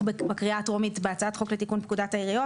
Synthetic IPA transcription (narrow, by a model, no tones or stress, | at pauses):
bbakʁiatʁomitbeat͡saatχo̞kletikunpkudathaiʁijo